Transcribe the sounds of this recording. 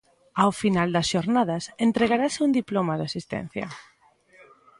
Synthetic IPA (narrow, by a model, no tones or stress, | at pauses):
awfinald̪ɐsʃoɾnaðɐsent̪ɾeɣaɾasɪund̪iplomaðasist̪ɛ̰n̟θjɐ̰